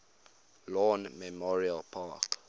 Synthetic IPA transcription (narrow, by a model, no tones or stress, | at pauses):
lɔ̃nmɛmɔɹialpʰak